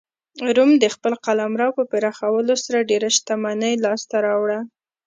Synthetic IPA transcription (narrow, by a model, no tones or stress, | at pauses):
ɾumd̪əxpəlqalamɾɑwpəpeɾɑxawəlosaɾaɖeɾaʃt̪amanəjlɑst̪aɾɑwɽa